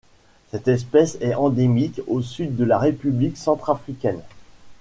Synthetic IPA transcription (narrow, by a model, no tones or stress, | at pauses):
sɛt̪ɛspɛsɛɑ̃d̪emikosyd̪ːəlaʁepybliksɑ̃t̪χafχikʲɛn